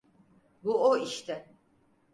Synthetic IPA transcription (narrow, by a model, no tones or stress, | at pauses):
buoiʃt̪ʰɪ